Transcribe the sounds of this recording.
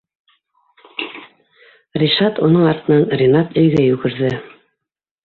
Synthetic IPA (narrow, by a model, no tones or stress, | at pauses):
rʲiʃɑt̪unɤɴɑɾt̪ɤ̆nɑnrʲɪnɑt̪ɵ̆jɡæjʉɡɘ̆ɾðɘ